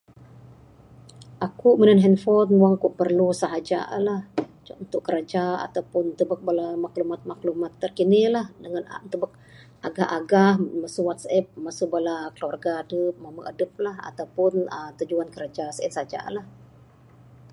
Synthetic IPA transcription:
ʔakuʔmənənɦɛnfɔnwaŋkuʔpərlusaɦad͡ʒa̰lah | unt̪ʊʔkːəɾad͡ʒaa̰t̪awpʊnt̪əbək̚balamaklumat̪̚maklumat̪ːərkinilahdəŋant̪əbək̚ | aɡahʔaɡahmasuwat̪sɛp̚masubalakəluwarɡadəp̚maməʔadəp̚laha̰t̪awpʊnət̪ud͡ʒuankəɾad͡ʒasəɛt̪saad͡ʒa̰lah

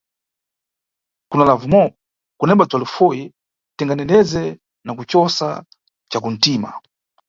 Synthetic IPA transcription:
kunalavumɔ | kunɛmbatwalufɔjɛ | tiŋɡanɛndɛzɛ | nakut͡ʃɔsa̰ | t͡ʃakun̩tiːma̰

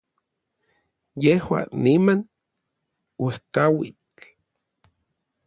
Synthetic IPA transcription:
jehwa̰niman | wehkawit͡ɬ

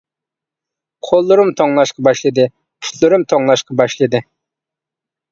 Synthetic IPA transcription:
qʰolˠːʊɾumt̪ʰoŋlˠɑʃqɑbɑʃlˠɨd̪ɨ | kʲʰy̥t̪ʰlɨɾumt̪ʰoŋlˠɑʃqɑbɑʃlˠɨd̪ɨ

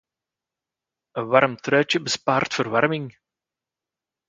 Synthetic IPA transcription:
ənʋɑɾmtrœːt͡ʃəbəspaːrtfərʋɑrmɪŋ

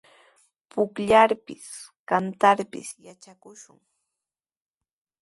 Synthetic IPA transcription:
pʊkʎaɾpɪskant̪aɾpɪ̰sjat͡ʃakʊʃʊŋ

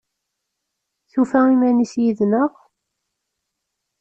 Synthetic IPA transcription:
θufæimænisjiðnəʁ

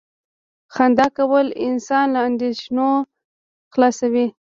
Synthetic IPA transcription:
xand̪akawəlɪnsɑnlaːnd̪eʃno | xlɑsawi

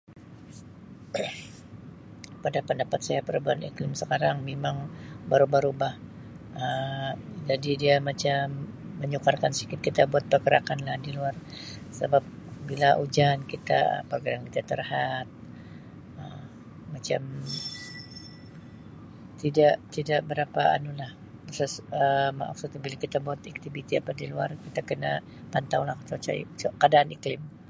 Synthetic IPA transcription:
padapəndapat̪̚sajapəɾəbaanḭklɪmsəkaɾaŋmemaŋbaɾubaɾubah | ə | d͡ʒadidiamat͡ʃamː | əɲukarkansi̥kit̪̚kit̪abuat̪̚pərɡəɾakanlahdiluar | səbap̚bilaʔud͡ʒankit̪a̰ə̰pərɡəɾankit̪at̪ərhat̪̚ | əː | at͡ʃam | t̪idaʔt̪idaʔbəɾapaa̰nulah | asasəma̰ʔksʊt̪̚bilakit̪abuat̪ak̚t̪ibit̪ia̰padiluarkit̪akəna | pant̪awlahkət͡ʃot͡ʃa̰ḭt͡ʃokadaːniklɪm

